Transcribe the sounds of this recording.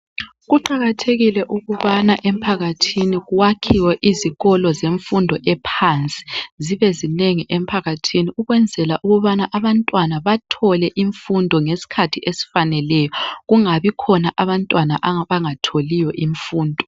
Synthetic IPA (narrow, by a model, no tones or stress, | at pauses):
ɣuǃaɣatʰeɣilɛʔuɣuβanaʔem̩pʰaɣatʰiniɣuwakʰiwɛʔiziɣɔlɔzeɱfundʱɔʔɛpʰant͡sʼi̥ziβezineŋiʔempʰaɣatʰiniuɣwɛnd͡zʱɛlaʔuɣuβanaʔaβantʼwanaβatʰɔlɛʔiɱfundʱɔŋesi̥kʰatʰiʔesi̥fanɛlɛjɔɣuŋaβikʰɔnaʔaβantʼwanaʔaβaŋatʰolijɔʔiɱfuːndʱɔ